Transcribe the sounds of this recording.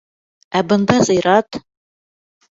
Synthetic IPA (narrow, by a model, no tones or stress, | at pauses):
æbɤ̆nd̪ɑzɤ̆jɾɑt̪